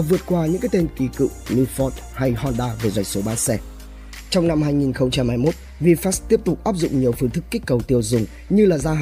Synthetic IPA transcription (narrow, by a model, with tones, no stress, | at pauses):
vɨ˨˩ət̚kwaː˧ɲɨ̰˧˥ŋkaː˨˦jt̪e˧nki˨˩˦kɨ̰˧˨nɨ˧fɔ˦˥t̚ | ha˧jhɔ˧nɗaː˧ve˨˩zwa̰˨˩jk̟so˨˦ɓaː˨˧˦nsɛ˧˩ | t͡ɕɔ˧wŋ͡mna˧mhaː˧jŋi˨˩nxə˧wŋ͡mt͡ɕa˧mha˧jmo˦˥t̚ | vi˧fa˦˥st̪i˦˥əp̚t̪ʊ˨˩k͡p̚ʔaː˦˥p̚zʊ̰˧˨ŋ͡mɲi˨˩əwfɨ˧əŋt̪ʰɨ˦˥kːï˦˥k̟̚kə˨˩wt̪i˧əwzʊ˨˩ŋ͡m | ɲɨ˧laː˨˩zaː˧ɦ